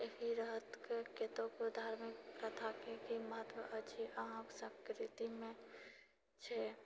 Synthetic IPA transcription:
ekiɾəɦət̪keket̪õkod̪ʱaːɾmɪkpɾət̪ʰakekiməɦət̪ʋəʔət͡ʃʰiʔaɦksə̃kɾɪt̪imẽ | t͡ʃʰɛ

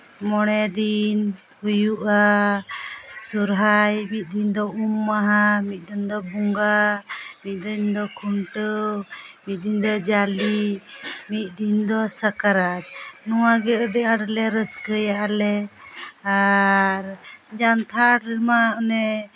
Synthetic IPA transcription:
mɔɽ̃ɛd̪in | hujuʔa | suɾɦajmit̪̚d̪ind̪ɔumːaɦamit̪̚ˀd̪ind̪ɔbuŋɡamit̪̚ˀd̪əɲd̪ɔkʰuɳʈə | mit̪̚ˀd̪iɲd̪ɔd͡ʒali | mit̪̚ˀd̪ind̪ɔsəkaɾad͡ʒ̪̚nuwaɡɛəɖɛʔaɽlɛɾəskəjaʔalɛ | aɾd͡ʒant̪ʰaɽmaɔnɛ

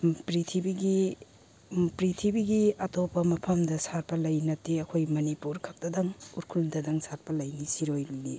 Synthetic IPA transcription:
pɾitʰibiɡi | pɾitʰibiɡiɐtopɐmɐpʰɐmdɐsaɾ̚pɐlɐjnɐteɐkʰojmɐnipuɾkʰɐk̚dɐdɐŋuɾkʰuldɐdɐŋsatpɐlɐjnisiɾojli

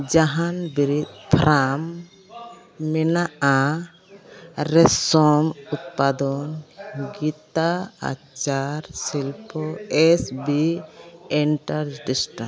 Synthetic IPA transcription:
d͡ʒaɦanbiɾid̪̚pʰɾʔam | ɛnaʔa | ɾɛsɔmut̪̚pad̪ɔnɡit̪aa̰t͡ʃaɾsilpɔɛsbi | ɛɳʈaɾɖisʈa

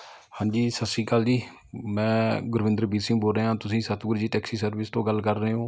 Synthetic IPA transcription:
hãːɲd͡ʒiːsəsiːkəld͡ʒiː | mɛ̃ːɡʊɾʋɪ̃nd̪əɾəbiːɾsɪ̃ŋːɡboːlɾeːɦãːt̪ʊsĩːsət̪ɡʊɾd͡ʒiːʈɛːksiːsəɾʋɪst̪õːɡəlkəɾːəɦeːɦõː

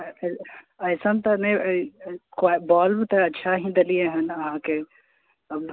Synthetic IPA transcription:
ɐjsəmt̪ɐnɐ̃ | kabɔːlbt̪ɐɐtːʃʰaɦĩːnd̪ɐlieɦɐnɐɦãke | ɐb

